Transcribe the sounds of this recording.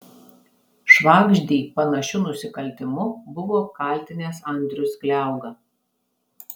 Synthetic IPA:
ʃʋɑːɡʒʲd̪ʲiːpɐnɐʃʲʊnʊsʲɪkɐlʲt̪ʲɪmʊbʊʋoːkɐˑlʲˑt̪ʲɪnʲeːsɐnʲd̪ʲɾʲʊsklʲæˑʊɡɐ

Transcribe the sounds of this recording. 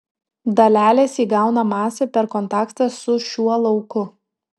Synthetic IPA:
d̪ɐlʲæːlʲeːsiːɡɑˑʊnɐmɑːsʲepʲɛɾkɔnt̪ɑːkt̪ɐsʊʃʲuɔlˠɒʊkʊ

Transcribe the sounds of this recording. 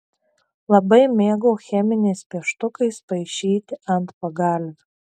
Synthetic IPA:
lˠɐbɐɪmʲeːɡoːxʲɛmʲɪnʲɛɪspʲiɛʃt̪ʊkɐɪspɐɪʃʲiːt̪ʲɪɐnt̪pɐɡɑlʲʋʲɪ

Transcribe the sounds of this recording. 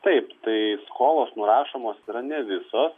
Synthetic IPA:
t̪ɐɪpt̪ɐɪskoːlˠoːsnʊɾɑːʃoːmoːsiːɾɐnʲɛʋʲɪsoːs

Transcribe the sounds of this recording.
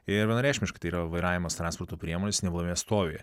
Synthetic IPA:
ɪɾʋʲiɛnɐɾʲæːʃʲmʲɪʃkɐɪt̪ɐɪiːɾɐʋɐɪɾɑːʋʲɪmoːst̪ɾɑnspoːɾt̪opʲɾʲiɛmoːnʲesnʲɛblˠɐmʲejɛst̪oːʋʲejɛ̰

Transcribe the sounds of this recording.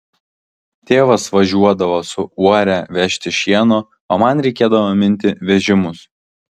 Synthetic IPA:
t̪ʲeːʋɐsʋɐʒʲuɔd̪ɐʋoːsʊuɔɾʲɛʋʲɛʃʲt̪ʲɪʃʲiɛnoː | oːmɐnɾʲɛɪkʲeːd̪ɐʋomʲɪnʲˑt̪ʲɪʋʲɛʒʲɪmʊs

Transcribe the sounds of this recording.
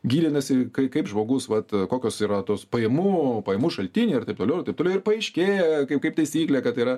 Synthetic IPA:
ɡʲiːd̪ʲɪnɐsʲɪkɐɪkɐɪpʒmoːɡʊsʋɐt̪koːkʲoːsiːɾɐt̪oːspɐjɛmuːpɐjɛmuːʃɐlʲt̪ʲɪnʲiːɐrt̪ɐɪp̚toːlʲɛʊɐrt̪ɐɪp̚tolʲɛʊɪrpɐɛɪʃʲkʲeːjɛkɐɪkɐɪpt̪ɐɪsʲiːklʲɛːkɐt̪iːɾɐ

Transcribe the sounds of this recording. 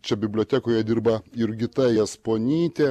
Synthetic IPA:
t͡ʃʲɛbʲɪbʲlʲoːt̪ʲæːkoːjɛd̪ʲiɾbɐɪɾɡʲɪt̪ɐɛspoːnʲiːt̪ʲe

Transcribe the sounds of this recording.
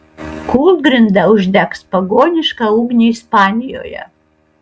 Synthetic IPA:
kʰulˠd̪̚ɡɾʲɪnd̪ɐʊʒʲd̪ʲɛkspɐɡoːnʲɪʃkɐuːɡnʲiɪspɑːnʲɪjo̰ːjɛ̰

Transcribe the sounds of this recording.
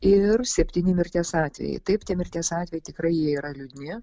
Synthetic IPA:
ɪrsʲɛpʲt̪ʲiːnʲɪmʲɪɾʲt̪ʲeːsɑːt̪ʲʋʲɛ̰jɛ̰ɪt̪ɐɪpt̪ʲiɛmʲɪɾʲt̪ʲeːsɑːt̪ʲʋʲɛjɛɪt̪ʲɪkɾɐɪjiɛiːɾɐlʲʊd̪ʲnʲɪ

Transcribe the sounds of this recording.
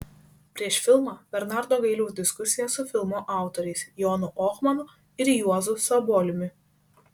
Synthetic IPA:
pʲɾʲiɛʃfʲɪlˠmɑːb̥ʲɛɾnɑˑɾd̪oːɡɐɪlʲɛʊzd̪ʲɪskʊsʲɪjɛsʊfʲɪlˠmʊʔɑˑʊt̪ɔɾʲɛɪsjɔnʊʔɔxmɐnʊ | ɪɾjuɔzʊsɐbɔːlʲɪmʲɪ

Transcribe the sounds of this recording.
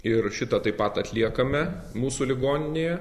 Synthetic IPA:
ɪɾʃʲɪt̪ɐt̪ɐɪpɐt̪ɐt̪ʲlʲiɛkɐmʲɛ | muːsulʲɪɡoːnʲɪnʲeːjɛ

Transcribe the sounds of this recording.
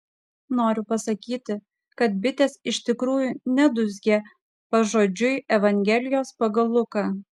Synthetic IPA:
noːɾʲʊpɐsɐkʲiːt̪ʲɪ | kɐt̪̚bʲɪt̪ʲeːsɪʃt̪ʲɪkɾuːjunʲɛd̪ʊzʲɡʲeː | pɐʒoːd͡ʒʲʊɪɛʋɐŋʲɡʲɛlʲɪjoːspɐɡɐlˠʊkɑː

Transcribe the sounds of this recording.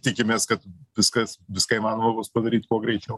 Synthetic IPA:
t̪ʲɪkʲɪmʲeːskɐt̪ʋʲɪskɐsʋʲɪskɑːɪimɑːnoːmɐbʊspɐd̪ɐɾʲiːt̪koːɡɾʲɛɪt͡ʃʲɛʊ

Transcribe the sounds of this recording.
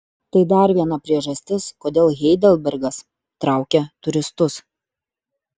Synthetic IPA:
t̪ɐɪd̪ɐɾʋʲiɛnɐpʲɾʲiɛʒɐsʲt̪ʲɪskoːd̪ʲeːlˠɣʲɛɪd̪ʲɛlʲˠbʲɛɾɡɐs | t̪ɾɑˑʊkʲɛt̪ʊɾʲɪst̪ʊs

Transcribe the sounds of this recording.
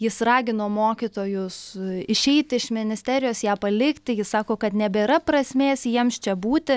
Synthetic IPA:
jɪsrɑːɡʲɪnoːmoːkʲɪt̪oːjʊsɪʃʲɛɪt̪ʲɪʃmʲɪnʲɪsʲt̪ʲæːɾʲɪjoːsjæːpɐlʲɪkt̪ʲɪjɪssɑːkoːkɐt̪nʲɛbʲɛɾɐprɐsʲmʲeːsjiɛmst͡ʃʲɛbuːt̪ʲɪ

